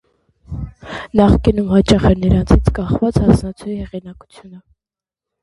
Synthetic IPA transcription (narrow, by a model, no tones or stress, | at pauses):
nɑχkinumhɑt͡ʃɑχɛɾnəɾɑnt͡sʰit͡sʰkɑχvɑt͡shɑsnɑt͡sʰuihɛʁinɑku̥t͡sʰjunə